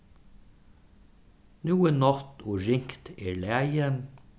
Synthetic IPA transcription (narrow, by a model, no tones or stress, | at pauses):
nuːənɔt̪ʰoːɹɪŋkt̪eːlæɪən